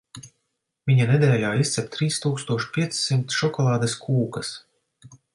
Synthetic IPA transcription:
vʲiɲaned̪ʲɛːlʲaːist̪sʲɛp̚ʲt̪ɾiːst̪uːkst̪uɔʃpʲiɛt̪ssimt̪ʃɔkɔlˠɑːd̪eskʰuːkɐs

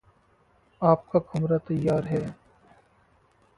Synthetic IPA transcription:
aːp̚kakɐmɾat̪ɐjːaːɾɦɛː

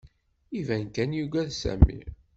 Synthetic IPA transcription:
ivænkænjuɡæðsæ̰mːḭ

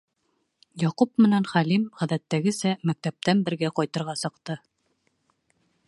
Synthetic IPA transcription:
jɑqupmɘ̆nænχælimʁæðæt̪ːæɡɘ̆sæmæk̚t̪æp̚t̪ænbɘ̆ɾɡæqɒjt̪ɤ̆ɾʁɑsɤ̆qt̪ɤ

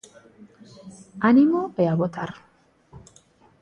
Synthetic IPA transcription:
animoeaβot̪aɾ

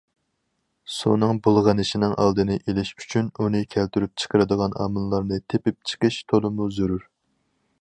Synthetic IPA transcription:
sṵnɨŋbulˠʁənɨʃinɪŋʔɑ̰lˠd̪ɨnɨʔelɪʃy̥t͡ʃʰynunɨkʲʰælt̪yɾyp̚t͡ʃʰə̥qʰəɾɨd̪əʁɑnɑ̰ːmɨnlˠɑɾnɨt̪ʰepɪp̚t͡ʃʰə̥qəʃt̪ʰolˠɨmuzuɾuɾ

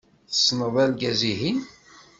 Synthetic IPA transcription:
θə̥sːnəðˤælɡæziɦin

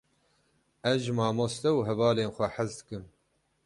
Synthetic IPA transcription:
ɛzʒɨmɑːmost̪ɛwɦɛvɑːleːnxʷɛħazd̪ɨ̥kɨm

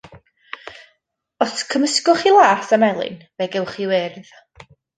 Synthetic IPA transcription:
ɔskʰəməskʊχilˠaːsamɛlˠɨ̰nvɛɡɛwχiwɪrð

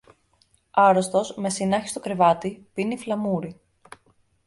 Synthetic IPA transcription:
ɐɾost̪o̞sme̞sinɐçi̥st̪o̞kɾe̞vɐt̪ipiniflɐmuɾi

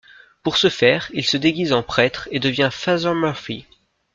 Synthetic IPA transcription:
puʁsəfɛːʁilsəd̪eɡʲizɑ̃pχɛt̪χed̪əvjɛ̃fazɔmœʁfi

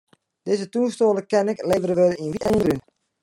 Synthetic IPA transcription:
d̥ezətunstoːləkɛnɪkleːvəɾəʋølinʋiɛnry

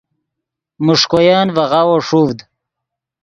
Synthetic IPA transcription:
muʂkojaːnvaʁawoʂuvd̪

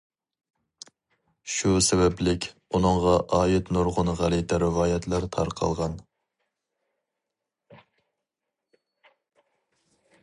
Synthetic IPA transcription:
ʃusɛbɛplɪkʲunɨŋʁɑʔɑːjɪt̪noɾʁʊnʁælit̪ɛɾɪvɑːjɛt̪ʰlˠɑɾt̪ʰɑ̰ɾqʰɑ̰lˠʁɑn

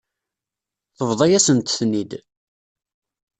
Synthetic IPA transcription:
θəvðˤɑjæsənt̪θnid̪

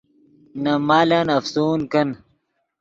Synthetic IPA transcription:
nɐmaːlanɐfsuːnkɐn

